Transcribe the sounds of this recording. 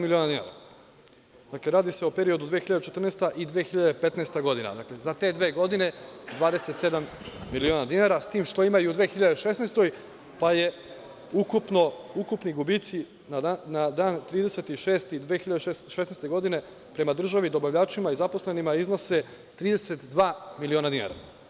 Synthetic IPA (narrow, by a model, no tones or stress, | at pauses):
milionad̪ina̰ːɾa̰ | d̪akle̞ɾaːd̪ise̞opeɾio̞d̪ud̪ʋeːxiʎad̪et͡ʃet̪r̩neːst̪aʔid̪ʋeːxiʎad̪epe̞t̪nest̪aɡo̞d̪ina̰d̪akle̞zat̪e̞ːd̪ʋe̞ːɡo̞d̪ine̞d̪ʋaːd̪e̞se̞t̪se̞d̪amː | ilionad̪inaɾast̪iːmʃt̪o̞imajuud̪ʋeːxiʎad̪eʃe̞snest̪o̞j | paje̞ | ukupnoukupniɡubit̪si | nanad̪aːnt̪ɾiːd̪e̞se̞t̪iʃe̞ːst̪id̪ʋeːxiʎad̪eʃesnest̪e̞ɡo̞d̪ine̞ | pɾe̞mad̪r̩ʒaʋid̪o̞baʋʎaːt͡ʃimaizapo̞slenimaizno̞se̞ | t̪ɾiːd̪e̞se̞t̪d̪ʋaːmilio̞ːnad̪ina̰ɾa̰